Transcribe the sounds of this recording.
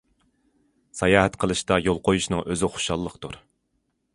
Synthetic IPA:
sɑjɑːɦɛt̪qʰəlˠɨʃt̪ɑjolˠqʰojuʃnɨŋʔøzɪχo̥ʃɑlˠːəqt̪uɾ

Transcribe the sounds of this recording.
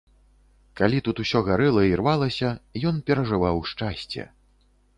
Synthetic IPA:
kalʲit̪ut̪usʲɔɣaɾɨlˠɐirvalˠɐsʲɐjɔnpʲɛɾɐʐɨvawʂt͡ʂasʲt͡sʲɛ̰

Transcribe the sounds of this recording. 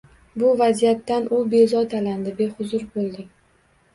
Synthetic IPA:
bʊvazijat̪ːanʊbe̞zɒt̪ʰaland̪ɪbe̞hʊzʊɾbolˠd̪ɪ

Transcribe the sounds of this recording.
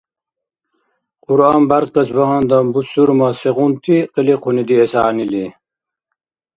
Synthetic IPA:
quɾaːmbɐɾt̪̚qɐsbɐɦɑnd̪ɐmbusuɾmɐseʁunt̪iqəliqʰunid̪iesaːnili

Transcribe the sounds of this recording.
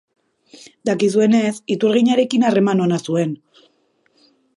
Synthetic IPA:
d̪akis̬ue̞ne̞sit̪uɾɣ̞iɲaɾe̞kinare̞mano̞nasue̞n

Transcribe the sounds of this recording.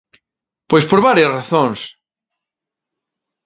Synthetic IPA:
pojspoɾβaɾjasraθõŋs

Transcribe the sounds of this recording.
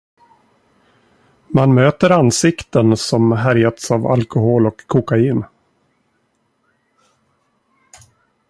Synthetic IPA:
manmøːt̪əɾansɪkt̪ənsɔmɦæɾjat̪sava̰lkʊɦoːlɔkʰːʊkaiːn

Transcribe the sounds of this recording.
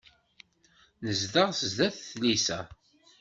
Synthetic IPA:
nəzðəʁsəzðæθθlisæ

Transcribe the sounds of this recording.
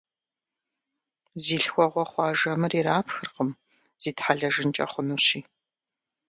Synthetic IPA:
ziːɬxʷɔʁʷɔχʷɑːʒɐmɨriɾaːpʰxɨrqəm | z̥iːtħaɮɐʒɨnt͡ʃʼɐ̰χʷʊnuɕiː

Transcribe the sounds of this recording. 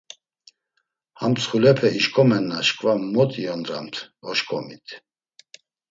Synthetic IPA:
hamt͡sʰχulɛpʰɛiʃkʼɔmɛnːaʃkʼvamɔt̪ʼiɔnd̪ɾa̰mt̪ʰɔʃkʼɔmit̪ʰ

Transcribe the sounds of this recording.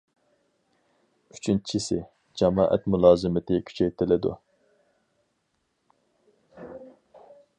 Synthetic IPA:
y̥t͡ʃʰynt͡ʃʰisɪ | d͡ʒɑmɑ̰ːʔɛ̰t̪mulˠɑːzɨmɪt̪ʰɪkʲʰy̥t͡ʃʰɛjt̪ʰɪlɪd̪ṵ

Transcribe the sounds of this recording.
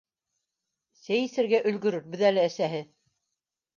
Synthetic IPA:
sæjɘ̆sɘ̆ɾɡæʔɵ̆lɡɵ̆ɾɘɾ̚bɵ̆ðælɘæsæɦɘ

